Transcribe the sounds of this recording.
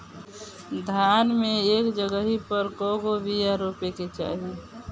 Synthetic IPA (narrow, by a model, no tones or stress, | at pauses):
d̪ʱjanmeeːkd͡ʒəɡəɦipəɾkɔɡobijaɾopeket͡ʃa̰ɦi